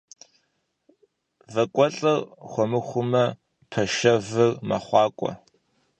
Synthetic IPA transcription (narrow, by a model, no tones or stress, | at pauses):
vɐkʷʼɔɬʼɐrχʷɔmɨχʷʊmɐ | pʰɐʃɐvɨrmɐ̰χʷɑːkʷʼɔ̰